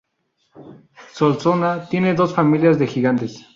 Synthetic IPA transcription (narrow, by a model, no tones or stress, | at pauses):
solsonat̪je̞ne̞ðo̞sfamiljazðexiɣant̪e̞s